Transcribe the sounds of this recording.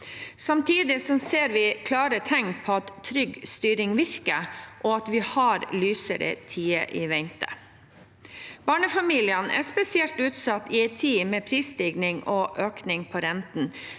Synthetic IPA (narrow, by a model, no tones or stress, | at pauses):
sɑmt̪ʰiːd̪ɪsɔseːɾʋɪkʰlɑːɾət̪ʰɛŋpʰɔɑt̪ʰːɾʏɡst̪yːɾɪŋʋɪɾkəʔoɑt̪ʋɪhɑːɾlyːsə̰ɾə̰t̪ʰiːə̰ʔiːʋɛnt̪ə̰ | b̥ɑːɳəfɑmiːlɪənʔæ̰spɛsɪɛlt̪ʉːt̪sɑt̪ːɪɛɪt̪ʰiːmɛːpʰɾiːsd̪iɡnɪŋʔɔʔøːknɪŋpʰɔɾɛnt̪n̩